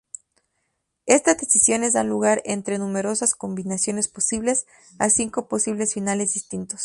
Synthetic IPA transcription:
e̞st̪azd̪e̞sisjo̞ne̞zðanluɣaɾe̞nt̪ɾe̞nũme̞ɾo̞sasko̞mbinasjo̞ne̞spo̞siβle̞s | a̰siŋko̞po̞siβ̞le̞sfinale̞zðist̪int̪o̞s

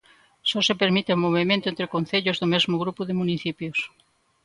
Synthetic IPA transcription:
sɔsepeɾmit̪eomoβ̞emẽnt̪oʊẽnt̪ɾekon̟θeʎozðomezmʊɣ̞ɾupuðemuniθipjos

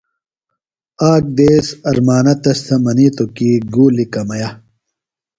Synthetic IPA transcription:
aːk̚d̪eːsɐɾmaːnɐt̪ɐst̪ʰɐmɐniːt̪okiɡuːlikɐmɐjɐ

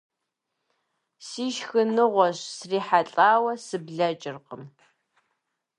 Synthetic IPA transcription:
siːʃxɨnɨʁʷɔɕsriːħaɬʼaːwɐsɨbɮɐt͡ʃʼɪrqəm

